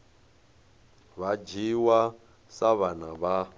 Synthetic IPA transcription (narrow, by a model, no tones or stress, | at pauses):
βad͡ʒiwa | saβanaβa